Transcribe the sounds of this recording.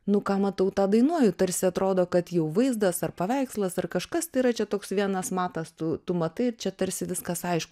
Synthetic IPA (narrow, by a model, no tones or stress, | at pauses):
nʊkɑːmɐt̪ɐʊt̪ɑːd̪ɐɪnuɔjʊt̪ɐɾʲsʲɪɐt̪ɾoːd̪oːkɐt̪jɛʊʋɐɪzd̪ɐsɐrpɐʋʲɛɪkslˠɐsɐrkɐʃkɐst̪ɐɪiɾɐt͡ʃʲɛt̪oːksʋʲiɛnɐsmɑːt̪ɐst̪ʊt̪ʊmɐt̪ɐɪt͡ʃʲɛt̪ɐɾʲsʲɪʋʲɪskɐsɐɪʃkʊ